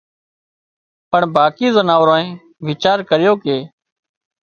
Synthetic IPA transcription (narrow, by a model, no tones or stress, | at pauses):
pəɳbaːkiːzənaːʋɾõːẽː | ʋɪt͡ʃaːɾkəɾɪjoːkeː